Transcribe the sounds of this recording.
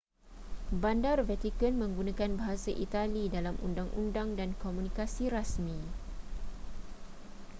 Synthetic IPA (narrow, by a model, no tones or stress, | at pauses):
bandarvɛt̪ikənmə̃ŋɡunãkanbaɦasaʔit̪alidalamʔṵndaŋʔṵndaŋdankomũnikasiɾasmĩ